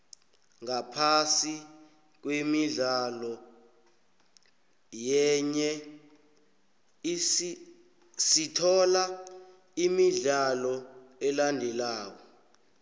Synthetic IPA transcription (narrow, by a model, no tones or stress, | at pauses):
ŋapʰasi | k̬wimiɮalɔ | jɛɲɛ | sitʰɔla | imiɮalɔɛlandʱɛlaːwɔ